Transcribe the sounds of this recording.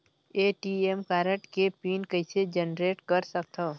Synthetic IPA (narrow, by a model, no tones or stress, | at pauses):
eːʈiemkaːɾəʈkepiːnkəɪsed͡ʒənɾeːʈkɐɾsək̚t̪ʰoː